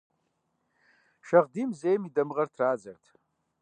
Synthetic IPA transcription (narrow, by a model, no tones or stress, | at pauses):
ʃaʁdimzejmidamʁartʰraːd͡zartʰʼ